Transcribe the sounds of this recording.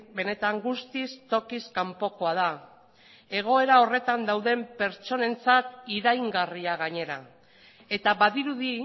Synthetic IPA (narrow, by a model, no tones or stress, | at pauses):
be̞ne̞t̪aŋɡust̪ist̪o̞kiskampo̞ko̞að̞a | e̞ɣ̞o̞e̞ɾao̞re̞t̪and̪awðe̞mpe̞ɾt͡ʃo̞ne̞nt͡sat̪iɾajŋɡariaɣaɲe̞ɾa | e̞t̪aβaðiɾuði